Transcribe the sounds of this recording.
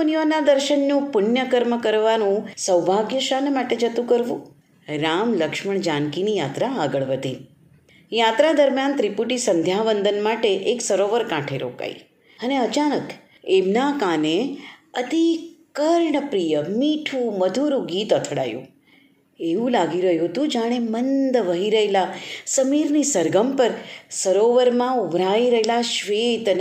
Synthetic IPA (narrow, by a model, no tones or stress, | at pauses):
nijonad̪əɾʃənːũpʊnjəkəɾməkəɾʋanũsəwbʱaɡjəʃanmaʈed͡ʒət̪ũkəɾʋṵ̃ | ɾamləkʃməɳ̃d͡ʒãnkinijat̪ɾaːɡəɭʋəd̪i | jat̪ɾad̪əɾmjant̪ɾipuʈisənd̪ʱjaʋənd̪ənmaʈeʔeksəɾoʋəɾkãʈʰeɾo̰ka̰ḭ | əneət͡ʃanək | emnakãneət̪ikəɾɳəpɾijəmiʈʰũməd̪ʱuɾũɡit̪ət̪ʰɽa̰jṵ̃ | eʋũlaɡiɾəɦjũɦət̪ũd͡ʒaɽ̃emənd̪ʋəɦiɾəɦelasəmiɾnisəɾɡəmpəɾsəɾoʋəɾmãubʱɾaiɾəɦelaʃʋet̪ən